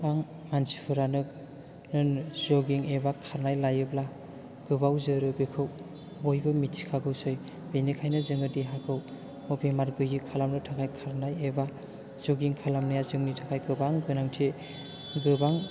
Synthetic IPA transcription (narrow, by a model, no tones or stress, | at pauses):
aŋ | mansi̥pʰɯɾanɯ | nɯnzɔɡiŋebakʰaɾnajlajɯbla | ɡ̥ɯbawzɯɾɯbekʰɯw | bojbɯmitsʰi̥kʰaɡɯwsɯj | b̥enikʰajnɯzɯŋɯdiɦakʰɯw | ɔpʰemaɾɡɯjɯkʰalamlɯtʰakʰajkʰaɾnajeba | z̥ɔɡiŋkʰalamnɯjazɯŋnitʰakʰajɡɯbaŋɡɯnaŋtʰe | ɡɯbaŋ